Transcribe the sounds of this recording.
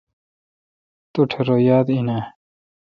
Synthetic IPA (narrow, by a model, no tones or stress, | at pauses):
t̪uʈʰeɾojaːd̪ina